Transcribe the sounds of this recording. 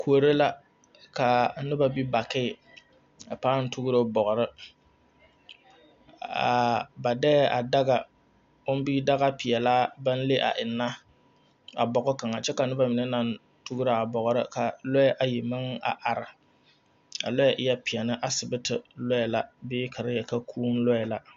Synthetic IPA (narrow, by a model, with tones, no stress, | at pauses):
kʰu˨o˨ɾe˦la˦ | ka˨nɨ˦ba˦bi˦ba˨kɪ˦˨ | a˨paː˦n̩˦tu˦ɡʊ˦ɾo˦bɔ˨ɣʊ˨ɾɨ˦ | a̰˨ba˨dɛ˦ʔa˨da˦ɡa˨ | ʊ˦m˦bi˦da˦ɣa˦pɪ˨jɛ˨laː˦ba˦n˦le˦ʔa̰˨ʔɪ˨nːa˦ | a̰˨bɔ˨ɡʊ˦ka˨ŋa˨t͡ʃɛ˦ka˨nɨ˦ba˨mɪ˨nɛ˦na˦n | tu˦ɡʊ˦ɾa˨a˨bɔ˨ɣʊ˨ɾɨ˦ka˨lɔ˦jɛ˦ʔa˨ji˨mɨ˦ŋa̰˨ʔa˨ɾɪ˨ | a̰˨lɔ˦jɛ˨ʔɪ˦jɛ˦pɪ˨ɛ˨nɨ˦ʔa˦sɨ˨bɨ˦tɨ˨lɔ˦jɛ˨la˦bɪː˦kʰa˨ɾɪ˦jɛ˨ka˦kʰuː˦n̩˦lɔ˦ɛ˨la˦